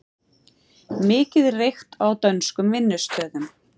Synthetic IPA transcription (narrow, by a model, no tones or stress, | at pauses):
mɪːcɪðrejxt̪awt̪œnskʏmvɪnːʏst̪œːðʏm